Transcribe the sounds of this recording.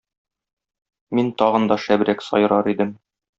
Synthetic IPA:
mint̪ɒʁɤ̆nd̪ɒʃæbɾæksɒ̰j̆ɾɑɾid̪ɘm

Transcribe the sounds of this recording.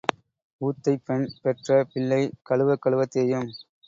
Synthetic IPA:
uːt̪ːɐɪpːɛnpɛʈrɐpɪɭːɐɪkɐɭɯʋɐkːɐɭɯʋɐt̪ːejɯm

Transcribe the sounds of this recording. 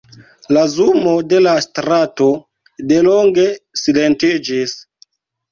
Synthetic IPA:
lazumo̞de̞lastɾato̞ | deloŋɡe̞sile̞ntid͡ʒis

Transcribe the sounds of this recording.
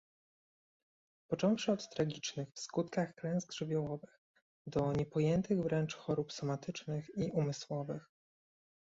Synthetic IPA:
pɔt͡ʂɔ̃w̃ʂɘɔt̪ːɾaɡʲit͡ʂnɘxfskut̪kaxklɛ̃w̃zɡʐɘbʲjɔwɔvɘx | d̪ɔɲɛpɔjɛnt̪ʰɘɣvɾɛnt͡ʂxɔɾupsɔmat̪ɘt͡ʂnɘxiumɘswɔvɘx

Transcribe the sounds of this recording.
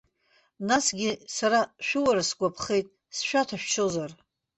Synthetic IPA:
nasɡʲɪsaɾaʃᶣuwaɾasɡʷapʰχe̞jtʼ | sʃᶣatʰaʃᶣt͡ʃʰozar

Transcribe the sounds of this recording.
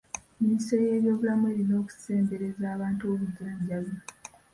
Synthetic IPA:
miniseje̞ːβjo̞ːβulamue̞ːlino̞ːku̥se̞ːmbe̞ɾe̞zaːβaːntuoβuɟaːɲɟajo

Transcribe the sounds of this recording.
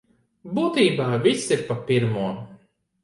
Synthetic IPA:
buːt̪iːbaːvʲisiɾpapʲiɾmuɔ

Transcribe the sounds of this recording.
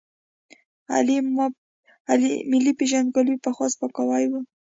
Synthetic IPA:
a̰li | alimɪlipeʒanɡalwipaxwaspakawajwə

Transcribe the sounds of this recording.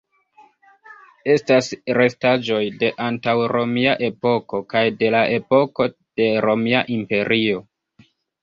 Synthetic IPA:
e̞stasɾe̞stad͡ʒo̞jde̞ʔantawɾo̞miaʔe̞po̞ko̞kajde̞laʔe̞po̞ko̞ | d̥e̞ɾo̞miaʔimpe̞ɾʔio̞

